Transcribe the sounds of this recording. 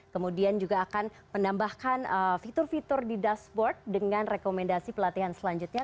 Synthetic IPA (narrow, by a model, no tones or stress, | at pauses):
kəmudiand͡ʒuɡaːkan | mənambahkanəfit̪ʊrfit̪ʊrdidasbɔrt̪̚dəŋanrekomɛndasipəlat̪iɦansəlaɲd͡ʒut̪̚ɲa